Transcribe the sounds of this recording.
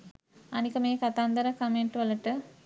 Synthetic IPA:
ɐnikɐmeːkɐt̪aːnd̪ɐɾɐkɐmeɳʈʋɐlɐʈɨ

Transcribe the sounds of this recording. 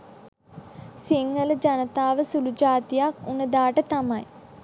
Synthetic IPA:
siŋːələd͡ʒanət̪aːʋəsulud͡ʒaːt̪ijakunəd̪aːʈət̪amaj

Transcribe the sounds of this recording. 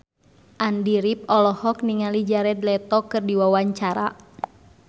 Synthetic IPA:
ʔandiɾip̚ɔlɔhɔk̚niŋalid͡ʒaɾɛd̪lɛt̪ɔkɨrdiwawaɲt͡ʃaɾa̰

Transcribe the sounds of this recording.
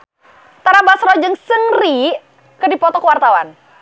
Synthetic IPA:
t̪aɾabasɾɔd͡ʒəŋsəŋri | kərdipɔt̪ɔkəwart̪awan

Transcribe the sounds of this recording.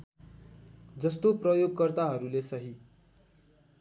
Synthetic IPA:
d͡zʌst̪oprʌjoɡ̚kʌrt̪aɦʌɾulesʌɦi

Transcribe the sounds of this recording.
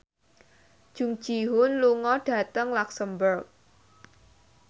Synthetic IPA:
d̥ʒ̥ṳŋd̥ʒ̥i̤ɦʊnluŋɔɖ̥ä̤t̪əŋlaksəmburk̚

